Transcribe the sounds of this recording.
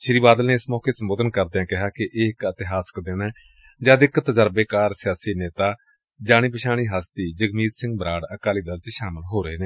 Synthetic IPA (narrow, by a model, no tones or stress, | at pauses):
ʃɪɾiːbaːd̪əlneːɪsmɔːkeːsəmboːd̪ənkəɾd̪eãːkɪɦaːkɪʔːɪkət̪ɪɦaːsə̥kd̪eːneː | d͡ʒãːd̪ɪkt̪ːəzəɾbeːkaːɾsɪjaːsiːneːt̪aː | d͡ʒaːɽ̃iːpɪʃaːɽ̃iːɦaːst̪iːd͡ʒəɡmiːt̪sɪ̃ŋɡ̚bɾaːɽəkaːliːd̪əlt͡ʃʃaːməlɦoːɾəeːneː